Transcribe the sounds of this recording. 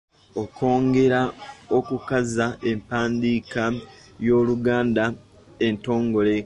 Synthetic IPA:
okʰo̞ːŋɡe̞ɾao̞kukazaempaːndiːkajo̞ːluɡaːnda | e̞nto̞ːŋɡo̞le̞

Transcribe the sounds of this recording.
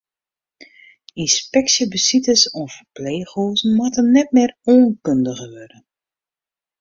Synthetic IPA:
inspɛksjəbəsitəsɔfəpleːxoːzn̩matənnɛt̚mɪːroːnkøndəɣəʋødən

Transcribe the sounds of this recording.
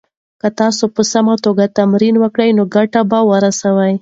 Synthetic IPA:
kət̪ɑsopəsamat̪oɡat̪amɾinwəkɽəjnoɡaʈabawəɾasawaj

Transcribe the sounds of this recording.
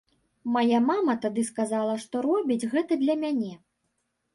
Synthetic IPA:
majamamɐt̪ad̪ɨskazalˠɐʂt̪ɔɾɔbʲid͡zʲɣɛt̪ɐd̪lʲɐmʲanʲɛ

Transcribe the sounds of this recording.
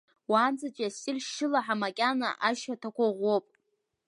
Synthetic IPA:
waːnd͡zʼat͡ʃʷʼasɪrʃʃɪlaħamakʲʼanaʔaʃatʰakʷʰaʁʷopʼ

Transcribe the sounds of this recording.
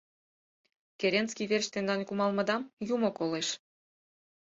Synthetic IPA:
keɾʲenskʲiβerɕt̪end̪ɑnkumɑlˠmɤ̆d̪ɑmjumɤ̆koleʃ

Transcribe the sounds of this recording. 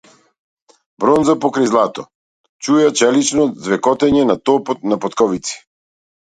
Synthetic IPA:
bɾɔnzapɔkɾajzlˠat̪ɔ̰ | t͡ʃujat͡ʃɛlit͡ʃnɔzvɛkɔt̪ɛɲɛnat̪ɔpɔt̪napɔt̪kɔvit̪si̥

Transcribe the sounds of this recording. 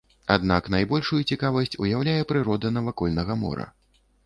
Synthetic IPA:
a̰d̪naknajbɔlʲʂujut͡sʲikavɐsʲt͡sʲujawlʲajɛpɾɨɾɔd̪ɐnɐvakɔlʲnɐɣɐmɔ̰ɾɐ̰

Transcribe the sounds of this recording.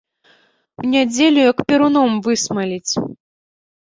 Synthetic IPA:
wnʲad͡zʲelʲujɐkpʲiɾunɔmvɨsmɐlʲit͡sʲ

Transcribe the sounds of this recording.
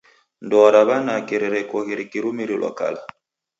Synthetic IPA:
ndɔɾaβanakeɾeɾɛkɔhiɾikiɾumiɾilʔɔ̰ka̰la

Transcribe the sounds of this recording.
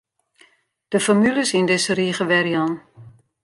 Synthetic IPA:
d̥əfɔmyləsindɪsəriːχəʋɛɾjɔn

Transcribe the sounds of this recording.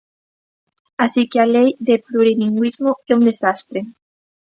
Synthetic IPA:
asikealejðepluɾiniŋɡwizmoeund̪esast̪ɾe

